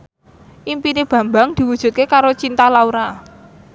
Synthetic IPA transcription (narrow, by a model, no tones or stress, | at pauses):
ʔimpineb̥ä̤mbaŋd̪̥i̤wud̥ʒ̥ṳt̪̚kekaɾot͡ʃint̪alauɾa